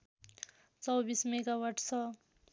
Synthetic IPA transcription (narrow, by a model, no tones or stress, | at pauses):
t͡sʌwbismeɡawaʈt͡sʰʌ